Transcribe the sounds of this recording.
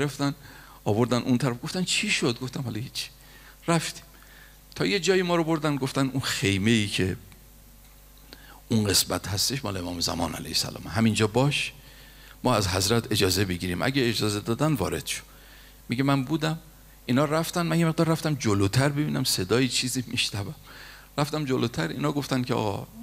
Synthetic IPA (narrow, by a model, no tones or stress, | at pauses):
eɾeft̪æn | ɒːβo̞ɾd̪ænʔunt̪ʰæɾæfɡo̞ft̪ænt͡ʃʰiːʃod̪̚ɡoft̪æmhɒlɒjit͡ʃʰːi̥ | ɾæft̪i̥ːm | t̪ʰɒːje̞d͡ʒɒːjimɒːɾobo̞ɾd̪ænɡo̞ft̪ænunxe̞jme̞iːcʰe̞ | unɢe̞smæ̰t̪hæst̪e̞ʃmɒ̰ːleemɒːmezæ̰mɒ̰ːnʔæ̰læ̰jesæ̰lɒ̰ːmeɦæmind͡ʒɒːbɒːʃ | mɒːæzɦæzɾæt̪ʰe̞d͡ʒɒːze̞be̞ɟiːɾiːmʔæ̰ɡʲeed͡ʒɒːze̞d̪ɒːd̪ænd̪vɒ̰ːɾe̞̰d̪̥ʃo̥ | miɡemænbuːd̪æm | ʔiːnhɒːɾæft̪ænmænjeme̞ɣd̪ɒːɾːæft̪æmd͡ʒoloːt̪ʰæɾbe̞biːnæmse̞d̪ɒːjit͡ʃʰiːziːmiʃnævæm | ɾæft̪æmd͡ʒoloːt̪ʰæɾḭːnhɒːɡo̞ft̪ænkʲʰeɒ̰ɣɒ̰